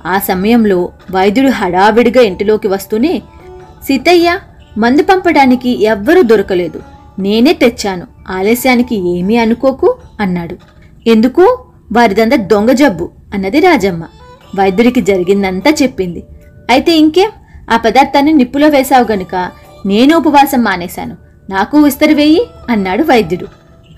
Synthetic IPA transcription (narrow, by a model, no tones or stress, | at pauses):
aːsɐmɐjɐmlo̞ːʋɐjd̪uɽuɦɐɽaːʋiɽiɡaːeɳʈilo̞ːkiʋɐst̪uneː | sit̪ɐjːa | mɐnd̪upɐmpɐɽaːnikiʔɛʋːɐɾuːd̪oɾɐkɐle̞ːd̪u | ne̞ːne̞ːt̪et͡ʃːaːnu | aːleːsjaːnikieːmiɐnuko̞ːkuɐnːaːɽu | e̞nd̪ukuː | ʋaːɾid̪ɐnd̪ɐd̪oŋɡɐd͡ʒɐbːu | ɐnːɐd̪iɾaːd͡ʒɐmːɐ | ʋɐjd̪juɽikid͡ʒɐɾiɡind̪ɐnt̪aːt͡ʃe̞pːind̪i | ɐjit̪e̞ːiŋke̞ːm | aːpɐd̪aːɾt̪aːnːinipːulo̞ːʋɛːsaːʋuɡɐnukɐ | ne̞ːnuupɐʋaːsɐmːaːnɛːsa̰ːnu | naːkuʋist̪ɐɾɐʋe̞ːjiɐnːaːɽuʋɐjɐd̪juɽu